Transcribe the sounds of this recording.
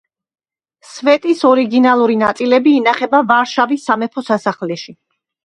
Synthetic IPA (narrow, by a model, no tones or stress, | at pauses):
svɛt̪ʼisɔɾiɡinalˠuɾinat̪sʼilɛbiːnaχɛbavaɾʃavisːamɛpʰɔsasaχlɛʃi